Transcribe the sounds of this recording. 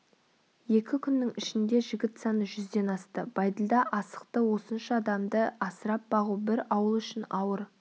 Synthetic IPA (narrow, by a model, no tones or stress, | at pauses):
je̞kʲɪkʲʰʏnːɪŋɪʃɪnd̪e̞ʒɪɡʲɪt̪sɑnəʒʏzd̪e̞nɑst̪əb̥ɑjd̪əlˠd̪ɑʔɑsə̥q̚t̪əwo̞sənʃəɑd̪ɑmd̪əɑsəɾɑp̚bɑʁubɪɾɑwəlˠʏʃɪnɑwəɾ